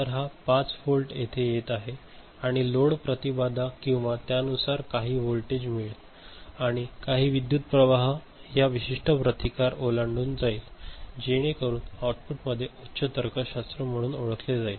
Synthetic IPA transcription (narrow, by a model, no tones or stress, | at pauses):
əɾɦapat͡sfolʈjet̪ʰejet̪aɦe | aɽ̃iloɽpɾət̪ibad̪akĩw̃ʋat̪janusaɾkaɦiːʋolʈed͡ʑmiɭt̪ | aɽ̃ikaɦiːʋid̪jut̪̚pɾəʋaɦ | jaʋiɕiʂʈʰəpɾət̪ikaɾolaɳɖuːnd͡zaiːld͡ʑeɽ̃ekəɾuːnawʈfuʈməd̪ʱːjeʔotːɕʰət̪əɾkʰəɕast̪ɾəm̤əɽ̃uːnoɭəkʰled͡zaiːl